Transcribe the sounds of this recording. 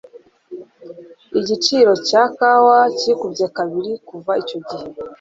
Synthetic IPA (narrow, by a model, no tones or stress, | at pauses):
iɟit͡ʃiɾo̞caːkawaciikubɟekaβiɾikuvaico̞ɟihe